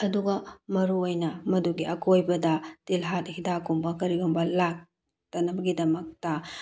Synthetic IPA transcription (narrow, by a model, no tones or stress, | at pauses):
ɐduɡɐmɐɾuojnɐmɐduɡiɐkojbɐdɐtilɦat̚hidakumbɐkɐɾiɡombɐlak̚ | tɐnɐbɐɡidɐmɐk̚tɐ